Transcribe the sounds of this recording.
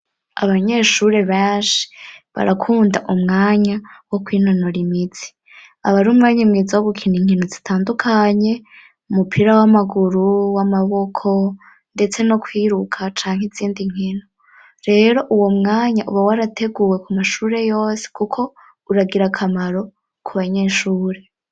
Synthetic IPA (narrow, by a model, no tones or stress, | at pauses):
a̰βaɲe̞ʃuɾe̞βeːnʃi̥βa̰ɾakʰuːndaʔumŋaːɲawo̞kwiːnonoɾimit͡si̥ | aβaɾuːmŋaːɲamŋiːzawoβukʰiniŋ̥hinozitʰaːndukʰaɲe̞ | umupʰiɾawamaɡuɾuwamaβo̞kʰo̞ | nde̞t͡se̞no̞kwiːɾukʰat͡ʃaːŋ̥heziːndiŋ̥ino | ɾe̞ːɾo̞ʔuwo̞mŋaːɲaʔuβawaɾate̞ɡuwe̞kumaʃuːɾe̞jo̞ːse̥kukʰo̞ | uɾaɡiɾakʰamaɾo̞ | kʰuβaɲe̞ːʃuːɾe̞